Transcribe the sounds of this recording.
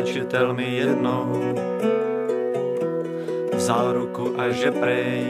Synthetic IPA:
t͡ʃit̪ɛlniːjɛd̪nɔʊ | vzaːɾukuʔaʒɛpɾɛ

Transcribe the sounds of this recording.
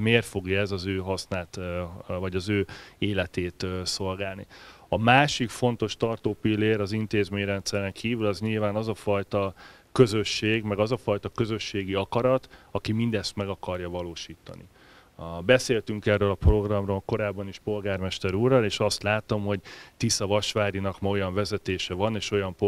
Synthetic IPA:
meːrt̪fo̞ɡjɒɛzɒzøːɦɒsnaːt̪vɒɟɒzøːeːlɛt̪eːt̪so̞lɡaːlniɒmaːʃikfo̞nt̪o̞ʃt̪ɒrt̪oːpilːeːɾɒzint̪eːzmeːɲrɛnt̪sɛɾɛŋkʰiːvylɒzɲilvaːnɒzɒfɒjt̪ɒ | kø̞zø̞ʃːeːɡmɛɡɒzɒfɒjt̪ɒkø̞zø̞ʃːeːɡiɒkɒɾɒt̪ɒkimind̪ɛst̪mɛɡɒkɒrjɒvɒloːʃiːt̪ɒ̰nḭ | bɛseːlt̪yŋkɛrːøːlɒpro̞ɡrɒmroːlko̞ɾaːbːɒniʃpo̞lɡaːrmɛʃt̪ɛɾuːrːɒleːʃɒst̪laːt̪o̞mɦo̞ɟt̪isɒvɒʃʋaːɾinɒkmɛo̞jɒɱvɛzɛt̪eːʃɛvɒneːʃo̞jɒmp

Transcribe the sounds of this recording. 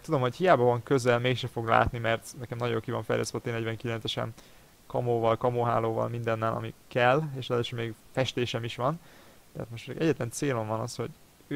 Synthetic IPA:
t̪ud̪o̞mho̞chijaːbɒvɒŋkøzɛlmeːkʃɛfo̞ɡla̰ːt̪nimɛrt̪nɛkɛmnɒɟoːkivɒɱfɛ̰jlɛ̰st̪ʋɛt̪eːnɛɟvɛŋkilɛnt̪sɛʃɛ̰n | kɒmoːvɒlkɒmoɦaːloːvɒ̰lmind̪ɛnːɛlʔɒ̰mikɛleːʃɛløʃømeːɡfɛʃt̪eːʃɛmiʃʋɒn | t̪ɛɦa̰t̪moʃtpɛd̪ḭɡɛɟːɛt̪lɛnt̪seːlo̞ɱvɒnɒsho̞̰ɟ

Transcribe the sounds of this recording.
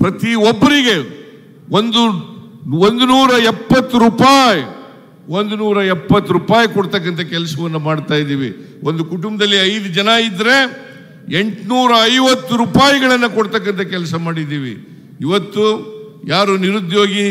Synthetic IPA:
pɾɐt̪iobːɐɾiɡe̞ | ond̪u | ond̪unuːɾɐɛpːɐt̪ːuɾupaːji | o̞nd̪unuːɾɐɛpːɐt̪ːuɾuːpaːjkɔɽt̪ɐkːɐnt̪ɐkɛlɐsɐʋɐnːumaːɽt̪aːjd̪iːʋḭ | ond̪ukuʈumbɐd̪ɐlːiɐjd̪ud͡ʒɐnɐid̪ɾe̞ | eɳʈnuːɾɐɐjʋɐt̪ːuɾupaːjiɡɐɭɐnːɐkɔɽt̪ɐkːɐnt̪ɐkɛlɐsɐmaːɽid̪iːʋḭ | iʋɐt̪ːu | jaːɾuniɾud̪jo̞ːɡi

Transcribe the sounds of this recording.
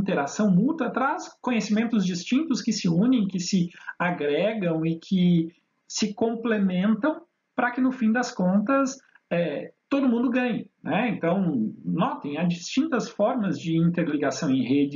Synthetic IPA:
ĩnt̪eɾasɐ̃w̃mut̪ɐt̪ɾaskõɲesimẽnt̪ʊzd͡ʒist͡ʃĩnt̪ʊskɪsɪũnẽj̃kɪsɪaɡɾɛɡɐ̃w̃ɪkʰɪ | sɪkõmplemẽnt̪ɐ̃w̃ | pɾɐkɪnʊfĩd̪ɐskõnt̪ɐs | ɛt̪od̪ʊmũnd̪ʊɡɐ̃ɲɪnɛẽnt̪ɐ̃w̃nɔt̪ẽj̃ad͡ʒist͡ʃĩnt̪ɐsfɔɾmɐzd͡ʒɪĩnt̪eɾliɡasɐ̃w̃ẽj̃hed͡ʒɪ

